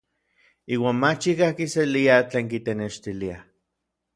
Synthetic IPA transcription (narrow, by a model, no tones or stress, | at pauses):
iːwaːnmat͡ʃikakiseliat͡ɬeːŋkit̪eneʃt̪ilia